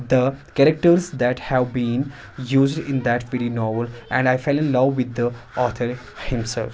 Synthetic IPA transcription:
d̪əkɛɾək̚ʈəɾzd̪æʈhæʋbĩːn | juːzɖɪ̃nd̪æʈʋɪɾinɔːɾʋəlʔɛ̰̃ɳɖaɪfeɪlɪ̃nlʌʋːɪd̪ːəɔːt̪ʰəɾ | hɪ̃msɛ̰lf

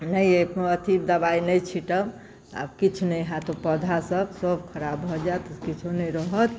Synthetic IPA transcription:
nəjepət̪ib̚d̪əbainəjt͡ʃʰiʈəb | a̰bkit͡ʃʰunəjɦat̪opəd̪ʱasəbsəbkʰəɾabːʱɔd͡ʒat̪kit͡ʃʰonəjɾəɦət̪ʰ

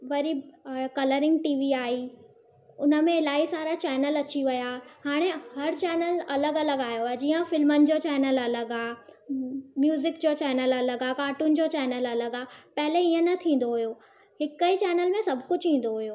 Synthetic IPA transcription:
ʋɐɾikɐləɾɪ̃ŋɡ̚ʈiːʋiaːɦi | ʊnə̆mẽɪlaːisaːɾat͡ɕɛːnəlɐt͡ɕiʋɐjaːhaːɽ̃eɦɐɾt͡ɕɛːnəlɐləɡɐləɡaːjoad͡ʑiːə̃fɪlmənɪ̆d͡ʑoːt͡ɕɛːnəlɐləɡaː | mjuːzɪkd͡ʑoːt͡ɕɛːnəlɐləɡaːkaːʈʊnɪ̆d͡ʑoːt͡ɕɛːnəlɐləɡaːpɐɦɪleiːə̃nɐt̪ʰĩːn̆d̪oɦʊjoː | ɦɪkəit͡ɕɛːnəlmẽsɐbʱkʊd͡ʑʱĩːn̆d̪oɦʊjoː

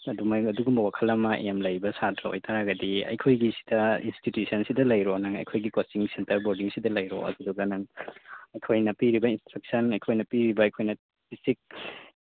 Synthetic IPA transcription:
ɐdumaɐduɡumbɐwakʰɐlɐmɐʔemlɐjbɐsatʰɾɐo̰jtʰaɾaɡɐdiɐ̰jkʰojɡisi̥dɐḭnstitjusɐnsidɐlɐjɾonɐŋɐ̰jkʰojɡikot͡ʃiŋsentɐɾboɾdiŋsidɐlɐjɾo̰ɐ̰duduɡɐnɐŋɐjkʰojnɐpiɾibɐinstɾɐk̚sɐnɐjkʰojnɐpiɾibɐːjkʰojnɐ | pʰisik̚

